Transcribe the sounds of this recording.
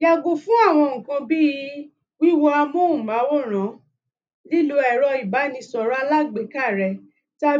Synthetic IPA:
ja˧ɡo˧fũ˦a˦˨w̃ɔ̃˧ŋ̩̃˨kã˧bi˦i˧ | wi˦wɔ˧˦a˧mũ˦ũ˨ma˨˦wɔ˦˨ɾ̃ã˨˦ | li˦lo˧ɛ˨ɾɔ˧i˨ba˨˦nĩ˧sɔ˨ɾɔ˦a˧la˦ɡ͡be˨˦ka˦˨ɾɛ˧˨ | ta˦˧

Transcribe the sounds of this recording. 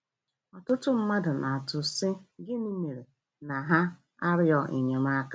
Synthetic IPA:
ɔ˨tʊ˦tʊ˦m̩˦ma˦dʊ˨na˨a˨tʊ˨sɪ˦ɡɪ˦ni˦me˨ɾe˨ | na˨ɦa˦ | a˦ɾɪ˦ɔ˨ʔḭ˨ɲe˨ma˦ka˦

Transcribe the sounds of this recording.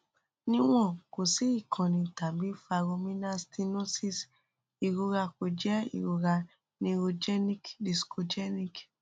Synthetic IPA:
nĩ˧w̃ɔ̃˦˨ko˨si˨˦i˦˨kʰã˨nĩ˧ta˨bi˦fa˧ɾo˧mĩ˦na˦sti˧nõ˦si˦s | i˨ɾo˧ɾa˧ko˨d͡ʒɛ˦ḭ˨ɾo˧ɾa˧ | nĩ˧ɾo˧d͡ʒɛ˦nĩ˦kdi˨sko˧d͡ʒɛ˦nĩ˦k

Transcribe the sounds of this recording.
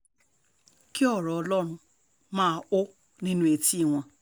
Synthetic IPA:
ki˦ɔ˦˨ɾɔ˨ɔ˨˦lɔ˦ɾ̃ʊ̃˧ | mã˦˨o˦ | nĩ˦nũ˦e˨ti˦˨w̃ʷã˨

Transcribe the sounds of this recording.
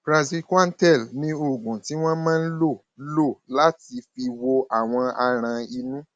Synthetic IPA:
pɾa˨zi˧ka˦n̩˦tɛ˦˨lnĩ˧o˨ɡũ˨ti˨˦w̃ɔ̃˦mãː˦n̩˦lo˦˨˦lo˦˨la˨˦ti˧fi˧wo˧a˦˨w̃ɔ̃˧a˧ɾ̃ã˧i˧nũ˦

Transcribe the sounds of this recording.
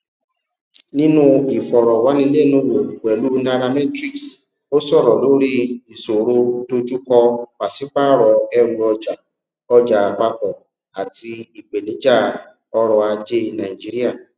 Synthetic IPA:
nĩ˦nũ˦i˨fɔ˨ɾɔ˨wa˨˦nĩ˧˦le˦˨nũ˧˦wo˨k͡pɛ˨lu˨˦na˧ɾa˧mɛ̃˦tɾi˦ks | o˦sɔ˦˨ɾɔ˨lo˨˦ɾi˦i˨so˨ɾo˧to˧d͡ʒu˦kɔ˧k͡pa˨si˨˦k͡pa˦ɾɔ˨˧ɛ˧ɾu˧ɔ˧d͡ʒa˨ | ɔ˧d͡ʒa˨a˨k͡pa˧k͡pɔ˨ | a˨tʰi˧i˨ɡ͡be˨nĩ˨˦d͡ʒa˦˨ | ɔ˧ɾɔ˧a˧d͡ʒe˦˧˨nã˨i˨d͡ʒi˨˦ɾi˦a˦˨

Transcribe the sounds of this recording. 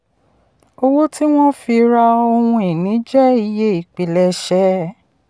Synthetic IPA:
o˦˧wo˦ti˦w̃ɔ̃˦fi˧ɾa˧o˧hũ˧i˨nĩ˨˦d͡ʒɛ˦i˧je˦i˨k͡pi˨lɛ˧ʃɛ˦

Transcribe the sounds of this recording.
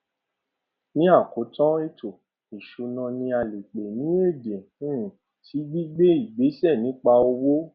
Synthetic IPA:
nĩ˦a˦˨ko˨˦tɔ̃˦e˦˨tʰo˨ | i˨ʃo˧nɔ̃˧nĩ˧a˧le˨k͡pe˨nĩ˨˦e˦˨dẽ˨˦˨ | tʰi˨˦ɡ͡bi˦ɡ͡be˦i˦˨ɡ͡be˨˦sɛ˦˨nĩ˨˦k͡pa˧o˧wo˦

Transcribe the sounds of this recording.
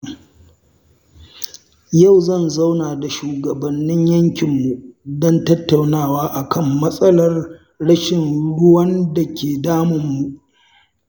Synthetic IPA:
ja˦˨wzɐ˦˨nzɐ˦wnaː˨da˨ʃuː˨ɡɐ˨bɐ˨nːɪ˦ɲjɐ˦ŋkʲɪ˨mːu˨dɔ˦ntɐ˦tːa˨wnaː˦˨waː˦ʔa˨kʰɐ˦˨mːɐ˦sʼɐ˦lɐ˨r | ɽɐ˦ʃɪ˨nɽʊ˦wɐ˦nda˨kʲeː˨daː˦mʊ˨mːu˨ʔ

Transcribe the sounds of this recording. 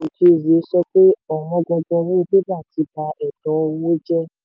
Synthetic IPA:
o˨ki˧˨ze˨˦sɔ˦k͡pe˦ɔ˦˨wɔ̃˧˦ɡɔ˧ɡɔ˧wũ˦˧bɛ˦ba˦˨ti˨˧ba˧ɛ˨dɔ˨˦o˧wõ˦d͡ʒɛ˦

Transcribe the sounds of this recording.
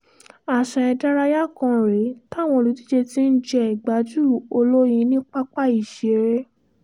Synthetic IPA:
a˨ʃã˧ɛ˧da˦ɾa˧ja˦kã˧ɾe˨˦ta˦˨w̃ɔ̃˧lu˧ti˦d͡ʒe˧ti˦n̩˦d͡ʒɛ˦˨ɡ͡ba˨˦d͡ʒu˦˨o˧lo˦jĩ˧˦nĩ˦k͡pa˦k͡pa˦˨i˨ʃe˨˧ɾe˦

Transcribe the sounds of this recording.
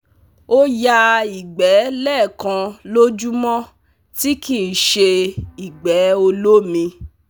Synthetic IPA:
o˦ja˧i˨ɡ͡bɛ˨˦lɛː˦˨kã˧lo˦d͡ʒu˦mɔ̃˦ | ti˦ki˨ʃe˧i˨ɡ͡bɛ˨˦o˧lo˦mĩ˧

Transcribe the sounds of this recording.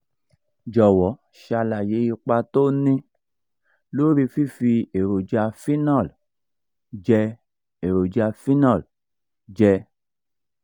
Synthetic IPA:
d͡ʒɔ˨wɔ˨˦ | ʃa˧la˨je˨˦i˧k͡pa˧to˦nĩ˧ | lo˦ɾi˧fi˦fi˧e˨ɾo˨d͡ʒa˧fi˦na˦˨l | d͡ʒɛ˧ | e˨ɾo˨d͡ʒa˧fi˦na˦˨l | d͡ʒɛ˧

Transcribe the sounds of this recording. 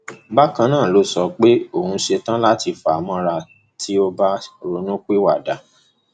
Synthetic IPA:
ba˦kã˧nãː˦˨lo˨˦sɔ˧k͡pe˦o˦˨hũ˧˦ʃe˧tã˦la˦ti˧fa˨a˨mɔ̃˧ɾa˧ | tʰi˦o˧ba˧˨ɾo˨˦nũ˦k͡pe˦wa˦˨da˨˦

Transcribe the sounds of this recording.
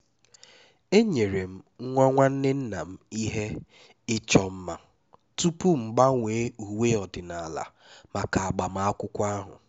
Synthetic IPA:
e˦ɲe˨ɾe˨m̩˦ŋ̩˦ŋʷɔ˦ŋʷa˦n̩˦dɪ˦n̩˦na˨m̩˦i˦ɦe˦ | ɪ˦t͡ʃɔ˦m̩˦ma˦ | tu˦pu˦m̩˨ɡ͡ba˦ŋʷeː˨˦u˨we˦ɔ˨dɪ˨na˨la̰˨ | ma˨ka˨a˨ɡ͡ba˨m̩˦a˦a˦kʷʊ˦kʷa˦ɦʊ̰˨

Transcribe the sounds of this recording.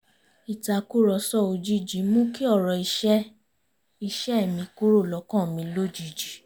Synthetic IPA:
i˨ta˧ku˦ɾɔ˧sɔ˦˨o˧d͡ʒi˦˨d͡ʒi˨˦mũ˦ki˦ɔ˦˨ɾɔ˨i˧ʃɛ˦ | i˧ʃɛ˦ɛ˦˨mĩ˧ku˦ɾo˦˨lɔ˨˧˦kã˦˨mĩ˧lo˦˨d͡ʒi˦˨d͡ʒi˨˦

